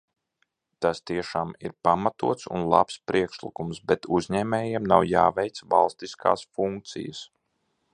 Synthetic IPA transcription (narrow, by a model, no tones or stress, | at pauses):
t̪ast̪iɛʃaːmḭɾpamat̪ṵɔt̪sṵnlˠa̰pspɾiɛkʃlḭkumsbɛt̪uzɲɛːmɛːjɛmna̰wjaːvɛjt̪sva̰lˠst̪iskʰa̰ːsfuŋk̚t̪sḭjə̰s